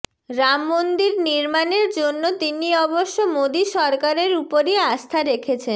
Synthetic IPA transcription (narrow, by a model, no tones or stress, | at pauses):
ɾamːond̪iɾniɾmaneɾd͡ʑonːot̪iniɔboʃːomod̪iʃɔɾkaɾeɾupoɾiast̪ʰaɾekʰet͡ɕʰen